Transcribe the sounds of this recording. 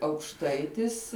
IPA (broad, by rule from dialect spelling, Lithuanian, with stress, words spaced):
ɐʊkʃˈtɐɪtʲɪs